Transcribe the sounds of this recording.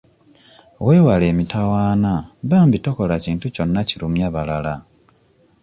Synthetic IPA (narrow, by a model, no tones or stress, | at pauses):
ɣwe̞ːwaleːmitawaːnaβaːmbitoko̞laciːntuco̞nːacilumjaβalala